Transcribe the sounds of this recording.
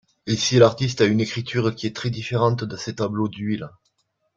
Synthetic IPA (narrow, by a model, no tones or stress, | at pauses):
isilaʁt̪ist̪aynekχit̪ʰyʁəkʲiɛt̪χed̪ifeʁɑ̃t̪əd̪əset̪ablod̪yil